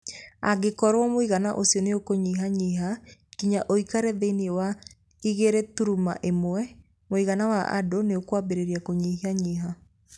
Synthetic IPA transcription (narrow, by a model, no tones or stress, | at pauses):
a̰ɡekɔɾwɔmoiɣanaʔosiɔneokoɲiɦaɲiɦakiɲaʔoikaɾɛðeniewa | iɣeɾɛtuɾuma̰ʔemwɛ | moiɣanawaʔa̰doneokwabeɾeɾiakoɲiɦiaɲiɦa